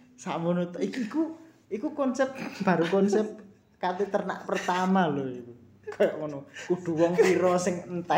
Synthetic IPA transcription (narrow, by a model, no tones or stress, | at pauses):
sa̰ʔmunut̪iiku | ikukɔnsɛp̚t̪b̥a̤ɾukɔnsɛp̚t̪̚ | kat̪it̪ərna̰ʔpərt̪amaloik̪u | ɡ̥ɔjaʔkɔnɔkuɖ̪̥ṳwɔŋiɾɔsɪŋənt̪a